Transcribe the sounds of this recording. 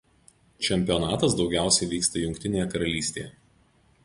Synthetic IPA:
t͡ʃʲɛmʲpʲɪɔnɑːt̪ɐs̬d̪ɒʊɡʲæˑʊsʲɛɪʋʲiːkst̪ɐjʊŋʲkt̪ʲɪnʲeːjɛkɐɾɐlʲiːsʲt̪ʲḛːjɛ

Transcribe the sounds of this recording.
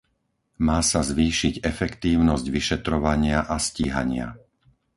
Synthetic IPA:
maːsazʋiːʃiɟɛfɛkt̪iːʊnɔzɟʋiʃɛt̪ɾɔʋaɲɪaʔasciːɦa̰ɲɪa̰

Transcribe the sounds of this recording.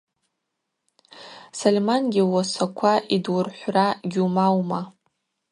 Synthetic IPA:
solʲemanɡʲiwasakʷʰaʔidwʊrħʷraɡʲumawma

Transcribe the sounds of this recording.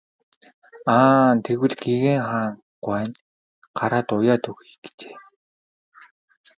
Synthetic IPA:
aːnt̪ʰeɣwɘ̆ɮɡiɣeːŋχaːŋ | ɢʷwæːn | ɢ̥aɾaːt̪ʊjaːt̪ʰɵɣiɡ̥t͡ɕe̥ː

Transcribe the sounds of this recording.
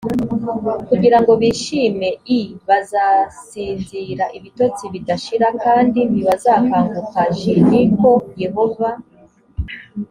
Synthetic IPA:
kuɟiɾaŋɡo̞βiːʃiːme̞iβazasiːnziɾaʔiβito̞t͡siβidaʃiɾakaːndiniβazakaːŋɡukaʒeniko̞je̞ɦo̞va

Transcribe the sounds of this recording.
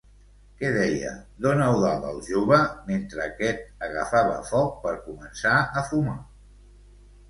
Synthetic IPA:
kɛðɛjə̰d̪onəwðaðəlˠʒoβəment̪ɾəːkɛt̪̚əɣə̰faβə̰fɔk̚pəɾkumənsaəfuma

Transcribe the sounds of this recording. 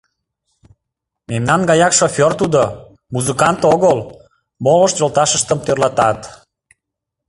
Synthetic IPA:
memnɑnɡɑjɑkʃofʲort̪ud̪o | muzɨkɑnt̪oɣəl | moləʃt̪ʒolt̪ɑʃəʃt̪əmt̪ørlɑt̪ɑt̪

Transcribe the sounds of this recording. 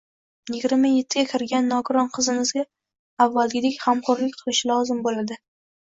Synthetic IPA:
jɪɡʲɪɾmaje̞t̪ʰːɪɡʲakʲʰɪɾɡʲanːɒɡʊɾɒnqʰɨzɪmɪzɡʲaː | vːalɡʲɪd̪ekʲhamqʰɒɾlɪk̚ʲqʰɨlˠɪʃɪlˠɒzɪmbolad̪ɪ

